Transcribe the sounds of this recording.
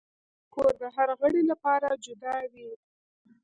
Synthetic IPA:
koɾd̪əɦaɾɣəɽelapɑɾad͡ʒʊd̪ɑwi

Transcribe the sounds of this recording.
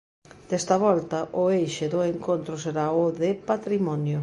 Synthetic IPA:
d̪̥ɛst̪ɐβɔlt̪ɐʔʊejʃɪðʊeŋkont̪ɾʊseɾaʊðepat̪ɾimɔnjʊ

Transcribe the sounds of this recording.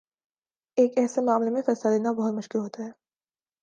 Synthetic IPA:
eːkɛːsemaːmlemẽfɛːslad̪eːnabɐɦʊt̪mʊʃkulɦoːt̪aɦɛː

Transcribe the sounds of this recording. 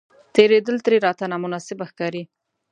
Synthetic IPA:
t̪eɾed̪əlt̪ɾeɾɑt̪anamʊnɑsɪbaxkɑɾi

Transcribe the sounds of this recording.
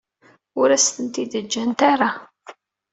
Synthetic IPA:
ʊɾæst̪ənt̪id̪əd͡ʒːænt̪aɾˤa

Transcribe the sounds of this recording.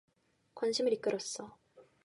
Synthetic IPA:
kwanɕʰimɯɾik͈ɯɾʌs͈ʌ

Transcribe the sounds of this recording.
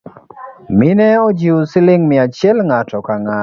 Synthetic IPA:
mɪnɛɔd͡ʒiusɪlɪŋmɪat͡ʃjɛlŋatɔkaŋa

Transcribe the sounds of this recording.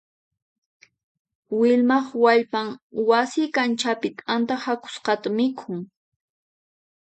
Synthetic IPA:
wɪʎmɑχwaʎpaŋwasɪkant͡ʃapɪt̪ʼant̪ahakʊ̥sqɑt̪amɪkʰʊŋ

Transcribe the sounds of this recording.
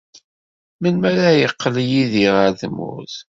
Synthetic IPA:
mənmæɾæjəqːəljiðiʁəɾðmʊ̰θ

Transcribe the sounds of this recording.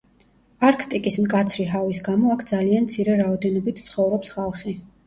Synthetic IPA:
aɾkʰt̪ʼikʼismkʼat̪sʰɾiɦavisɡamɔakʰd̪zaliant̪sʰiɾɛɾaɔd̪ɛnɔbit̪ʰt̪sʰχɔvɾɔpsχalˠχi

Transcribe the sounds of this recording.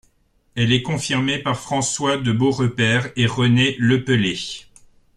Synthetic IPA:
ɛlɛkɔ̃fiʁmepaʁfχɑ̃swad̪əboʁəpɛːʁeʁəneləpəle

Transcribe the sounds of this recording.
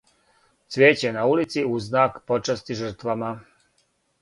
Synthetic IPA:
sʋeːt͡ɕenaulit̪siuznaːkpo̞t͡ʃast̪iʒər̩t̪ʋama

